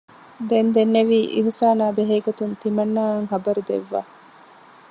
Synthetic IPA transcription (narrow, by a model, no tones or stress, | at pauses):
d̪end̪enːeʋiːʔḭɦusaːnaːbeɦɐjɡot̪unt̪imɐnːaːŋɦɐbɐɾud̪ḛʋːa̰ː